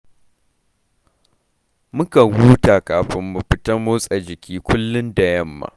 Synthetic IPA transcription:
mʊ˦ka˨wuː˦ta˨kaː˨ɸɪ˦mːʊ˨ɸɪ˦tɐ˦moː˦sʼɐ˨d͡ʒɪ˨kʲiː˦kʷʊ˦lːʊ˦nda˨jɐ˦mːa̰˨

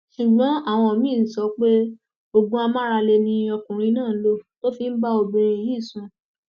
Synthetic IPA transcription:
ʃu˨ɡ͡bɔ̃˨˦a˦˨w̃ɔ̃˧ɔ˨mĩ˦˨n̩˨sɔ˨˧˦k͡pe˦ | o˨ɡũ˦a˧mã˦ɾa˧le˧nĩ˧˦ɔ˧kũ˨ɾ̃ĩ˧˦nãː˦˨˦lo˦˨to˦fi˧n̩˦ba˦o˧˨bĩ˨˧ɾ̃ĩ˧˨jiː˦˨sũ˧˦

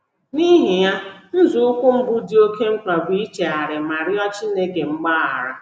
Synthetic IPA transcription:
ni˦ɦi˨ja˦n̩˦zu˨ʊ˦kʷʊ˦ŋ͡m̩˦bu˦di˦o˦ke˦ŋ͡m̩˦k͡pa˨bʷi˦i˦t͡ʃe˨a˨ɾɪ˨ma˨ɾɪ˦ɔ˦t͡ʃi˦ne˦ke˨ŋ͡m̩˦ɡ͡baː˦a̰˨ɾa˨

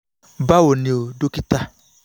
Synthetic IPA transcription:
ba˦wo˨nĩ˨o˨do˦ki˦t̪a˦

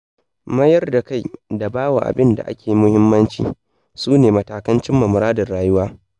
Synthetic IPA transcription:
mɐ˦jɐ˦rda˨ka˦˨jda˨baː˦wa̰˨ʔa̰˨bɪ˦nda̰˨ʔa̰˦kʲeː˨ji˦mʊ˦hɪ˦mːɐ˦nt͡ʃḭː˨ | suː˦neː˨mɐ˦taː˨kɐ˦nt͡ʃɪ˦mːɐ˨mʊ˨ɾaː˦dɐ˨rːaː˨jʊ˦waː˦

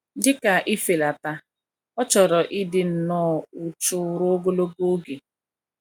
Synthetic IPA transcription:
dɪ˦ka˨ʔɪ˦fe˨la˨ta˦ | ɔ˦t͡ʃɔ˨ɾɔ˨ʔɪ˦dɪ˦n̩˨nɔː˦ʊ˨t͡ʃʊ˦ɾʊ˦ɡo˦lo˦bo˦o˦ɡe˨

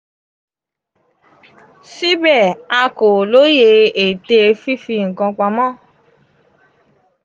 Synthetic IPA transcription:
si˦bɛ˦˨a˧ko˨lo˨˦je˧e˨te˧fi˦fi˧ŋ̩˨kã˧k͡pã˧mɔ̃˦˨

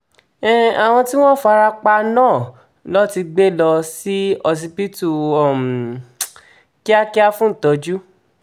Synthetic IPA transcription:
ɛ˦˨a˨w̃ɔ̃˧ti˦w̃ɔ̃˦˨fa˧ɾa˧k͡pa˧nãː˦˨ | lɔ˦ti˧ɡ͡be˦lɔ˧si˦ɔ˧s̬i˧pi˦tu˦˨ɔ˨m˨ | ki˦a˦ki˦a˦fũ˦n̩˨tɔ˨d͡ʒu˦

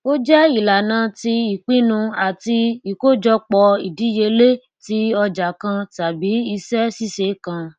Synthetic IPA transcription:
o˦d͡ʒɛ˦i˨la˨nã˧ti˧i˨k͡pĩ˦nũ˧a˨ti˧i˨ko˦d͡ʒɔ˧k͡pɔ˧i˨di˨˦je˧le˦ | ti˨˦ɔ˧d͡ʒa˨kã˧ta˨bi˨˦i˧sɛ˦si˦se˨˦kã˧

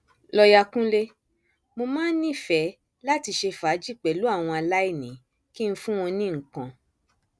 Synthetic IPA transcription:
lɔ˧ja˧kũ˦le˦ | mo˧mãː˦nĩ˦˨fɛ˨˦ | la˦ti˧ʃe˧fa˨˦d͡ʒi˦˨k͡pɛ˨lu˨˦a˦˨w̃ɔ̃˧a˧la˦i˦˨nĩ˨˦ | ki˦n̩˦fũ˦w̃ɔ̃˧nĩ˦ŋ̩˨kã˨

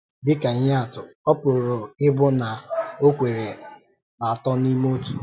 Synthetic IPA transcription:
dɪ˦ka˨ɲ˦a˦a˨tʊ˨ɔ˦pʊ˨ɾʊ˨ɾo˨ɪ˦bʊ˦na˨o˦kʷe˨ɾe˨ | na˨tɔ˦ni˦mo˦tu̥˨

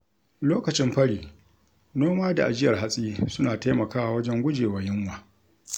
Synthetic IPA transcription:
loː˦kɐ˨t͡ʃɪ˦mɸɐ˦ɽiː˨ | noː˦maː˦da̰˨ʔa˨d͡ʒɪ˦jɐ˨rɦa˦sʼiː˦sʊ˦naː˨ta˦mɐ˨kaː˦wa˨wɐ˦d͡ʒɛ˦ŋɡʷʊ˦d͡ʒeː˨waː˨jɪ˦ŋwaː˨

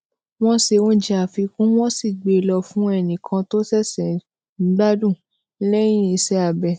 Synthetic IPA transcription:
w̃ɔ̃˦se˧wɔ̃˦d͡ʒi˧˦a˨fi˧kũ˦w̃ɔ̃˦si˦˨ɡ͡be˨˧lɔ˧fũ˦ɛ˦˨nĩ˨kʰã˧to˦sɛ˦˨sɛ̃˨ | n̩˨˦ɡ͡ba˦dũ˦˨˦ | lɛ˦j̃ĩ˦i˧sɛ˦a˨bɛ˧˨

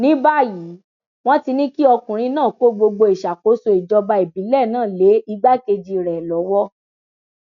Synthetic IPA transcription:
nĩ˨˦ba˦ji˨˦ | w̃ɔ̃˦ti˧nĩ˦ki˦ɔ˧kũ˨ɾ̃ĩ˧nãː˦˨ko˨˦ɡ͡bo˧ɡ͡bo˧i˨ʃa˨ko˨˦so˧i˨d͡ʒɔ˧ba˧e˨bi˨˦lɛ˦˨nãː˦˨le˨˦i˧ɡ͡ba˦ke˧d͡ʒi˧˨ɾɛ˨lɔ˨˦wɔ˦

